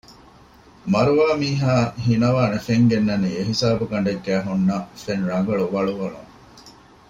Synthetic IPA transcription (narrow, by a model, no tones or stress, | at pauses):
mɐɾuʋaːmiːɦaːɦinɐʋaːnefeŋɡenːɐniːeɦisaːbukɐɳ̆ɖeɡːæːɦunːɐfenɾɐŋɡɐɭuʋɐɭuʋɐlṵŋ